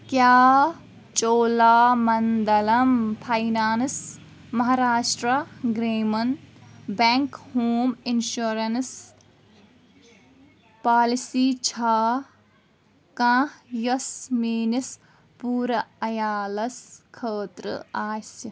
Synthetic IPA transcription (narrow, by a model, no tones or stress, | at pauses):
kjaː | t͡ʃoːlaːmɐnd̪ɐlɐmpʰajnaːns | mɐɦaɾaːʃʈɾɐɡɾeːmɐnbeŋkhoːminʃuɾɐns | paːlisiːt͡ʃʰaː | kãːjɐsmiːnis | puːɾɐɐjaːlɐskʰəːt̪ɾɨ̰aːsi